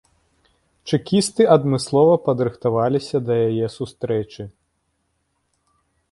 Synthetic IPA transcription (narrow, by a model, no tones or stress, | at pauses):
t͡ʂɨkʲist̪ɨʔɐd̪mɨslˠɔvɐpɐd̪ɾɨxt̪avalʲisʲɐd̪ɐjajɛsust̪ɾɛt͡ʂɨ